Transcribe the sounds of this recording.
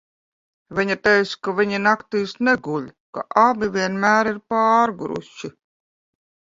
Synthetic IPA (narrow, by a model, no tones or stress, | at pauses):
vʲiɲat̪ɛjt̪skaviɲinakt̪iːsneɡulʲka̰ʔabʲivʲiɛnmæːɾiɾpɑːɾɡuɾṵʃi